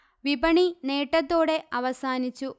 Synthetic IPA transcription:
ʋibɐɳineːʈːɐt̪ːo̞ːɽe̞ʔɐʋɐsaːnit͡ɕːu

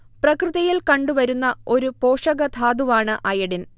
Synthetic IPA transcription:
prɐkrɨðɐjilkɐɳɖuʋɐɾunːɐo̞ɾupo̞ːʂɐɡɐt̪ʰaːd̪uʋaːɳɨʔɐjɐɽin

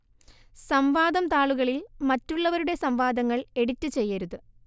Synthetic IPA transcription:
sɐmʋaːd̪ɐmt̪aːɭuɣɐɭilmɐtːuɭːɐʋɐɾuɽe̞sɐmʋaːd̪ɐŋːɐɭe̞ɽitːɨt͡ɕe̞jːɐɾuðɨ

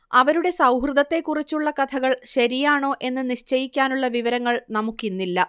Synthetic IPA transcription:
ɐʋɐɾuɽe̞sɐwɦrɨd̪ɐt̪ːe̞kːurit͡ɕːuɭːɐkɐt̪ʰɐɣɐɭɕɐɾijaːɳo̞ːʔe̞nːɨniɕt͡ɕɐjikʲːaːnuɭːɐʋiʋɐɾɐŋːɐɭnɐmukːinːilːɐ

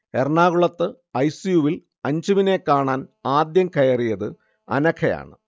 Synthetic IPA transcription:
erɳaːɣuɭɐt̪ːɨ | ɐjsijuʋil | ɐɲd͡ʑiʋine̞kːaːɳaːnaːd̪jɐŋkʰɐjɐrijɐðɨ | ɐ̰nɐkʰɐja̰ːɳɨ̰

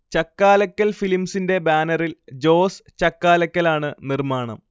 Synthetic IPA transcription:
t͡ɕɐkːaːlɐkʲːɐlfilimsinde̞baːnɐrild͡ʑo̞ːst͡ɕɐkːaːlɐkʲːɐlaːɳɨnirmaːɳɐ̰m

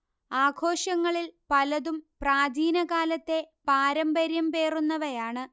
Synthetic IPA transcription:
aːɡʰʱo̞ːɕɐŋːɐɭilpɐlɐðumpraːd̪iːnɐkaːlɐt̪ːe̞paːɾɐmbɐɾjɐmpe̞ːrunːɐʋɐjaːɳɨ

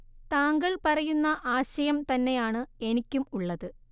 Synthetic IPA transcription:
t̪aːŋɡɐɭpɐrɐjunːɐʔaːɕɐjɐmt̪ɐnːe̞jaːɳɨe̞nikʲːumuɭːɐðɨ

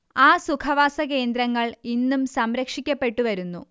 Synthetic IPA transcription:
aːsukʰɐʋaːsɐke̞ːnd̪ɾɐŋːɐɭinːumsɐmɾɐkʂikʲːɐpːe̞ʈːuʋɐɾunːu

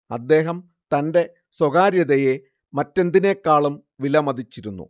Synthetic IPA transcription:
ɐd̪ːe̞ːɦɐm | t̪ɐnde̞ | swoɣaːɾjɐðɐje | mɐtːe̞nd̪ine̞kːaːɭumʋilɐmɐd̪ʱit͡ɕːiɾunːṵ

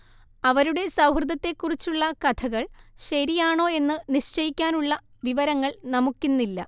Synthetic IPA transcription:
ɐʋɐɾuɽe̞sɐwhrɨd̪ɐt̪ːe̞kːurit͡ɕːuɭːɐkɐt̪ʰɐɣɐɭɕɐɾijaːɳo̞ːe̞nːɨniɕt͡ɕɐjikʲːaːnuɭːɐʋiʋɐɾɐŋːɐɭnɐmukʲːunːilːɐ̰

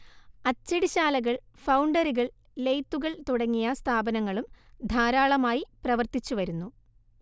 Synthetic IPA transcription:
ɐt͡ɕːɐɽiɕaːlɐɣɐɭ | fɐwɳɖɐɾuɣɐɭ | lejt̪ːuɣɐɭt̪uɽɐŋːijɐst̪ʰaːbɐnɐŋːɐɭumd̪ʱaːɾaːɭɐmaːjiprɐʋɐrt̪it͡ɕːuʋɐɾunːu

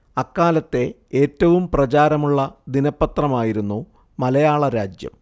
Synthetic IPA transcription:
ɐkːaːlɐt̪ːe̞ | eːtːɐʋumprɐt͡ɕaːɾɐmuɭːɐd̪inɐpːɐt̪rɐmaːjiɾunːu | mɐlɐjaːɭɐɾaːd͡ʑjɐ̰m

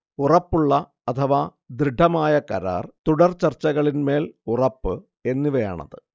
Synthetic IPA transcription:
urɐpːuɭːɐ | ɐt̪ʰɐʋa | d̪ɾiɖʱɐmaːjɐkɐɾa̰ːrt̪uɽɐrt͡ɕɐrt͡ɕːɐɣɐɭinme̞ːlurɐpːɨ | e̞nːiʋɐja̰ːɳɐ̰ðɨ

